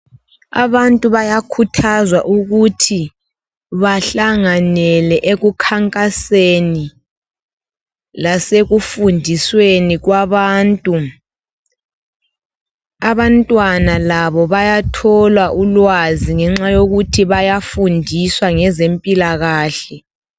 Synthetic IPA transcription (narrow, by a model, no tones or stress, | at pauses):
a̰βantʼuβajakʰutʰazwaʔuɣutʰi | βaɬaŋanɛlɛʔeɣukʰaŋkʼaseni | laseɣufundʱisweniɣwaβaːntʼu | aβantʼwanalaβɔβajatʰɔlwaʔulwaziŋɛŋ͡ǁajoɣutʰiβajafundʱiswaŋɛzempʼilaɣaːɬɛ